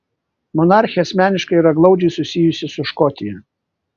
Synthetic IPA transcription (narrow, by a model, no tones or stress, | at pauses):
mɔnɑˑɾʲxʲɪɛɐsʲmʲæːnʲɪʃkɐɪiɾɐɡlˠɐʊd͡ʒʲɛɪsʊsʲɪjʊsʲɪsʊʃkɔt̪ʲɪjɛ